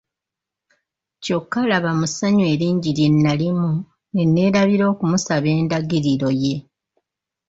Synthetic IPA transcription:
co̞kːalaβamusaɲwe̞ːɾiːɲɟiɾje̞nːalimu | e̞nːe̞ːɾaβiɾo̞ːkumusaβe̞ːndaɡiɾiɾo̞je̞

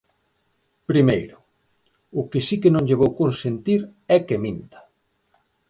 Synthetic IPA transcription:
pɾimejɾʊ | ʊkɪsikenõŋʎeβowkonsent̪iɾɛkemĩnt̪ḁ

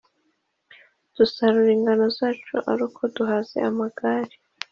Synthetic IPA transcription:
d̥usaɾuɾiːŋɡanozaːt͡ʃuʔa̰ɾuːkʰo̞duɦazḛʔamaɡ̥aːɾi

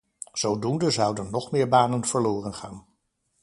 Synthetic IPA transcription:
z̥owdundəzʌwdənːɔχmɪːɹbaːnənv̥əɹlʊːrənχaːn

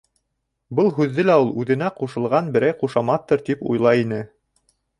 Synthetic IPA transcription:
bɤlˠɦʉðːɘlæulˠʉðɘ̆næquʃɤ̆lˠʁɑnbɘ̆ɾæjquʃɑmɑθt̪ːɤɾt̪ipṵjlˠɑjinɘ

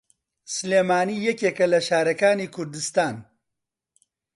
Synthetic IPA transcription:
sleːmaːniːjɛkeːkɐlɐʃaːɾɐkaːniːkʰʊɾd̪ɨst̪aːn

